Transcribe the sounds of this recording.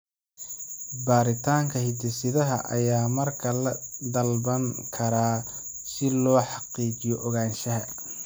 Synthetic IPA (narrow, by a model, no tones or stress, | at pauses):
baːɾɪt̪ʰaːŋkʰɐhɪd̪ɪsɪðɐɦɐ̰ʔɐ̰jaːmɐrkʰɐlɐd̪ɐlbɐŋkʰɐɾaː | sɪlɔːħɑqiːt͡ʃɪjɔʔɔɣaːnʃɐɦɐ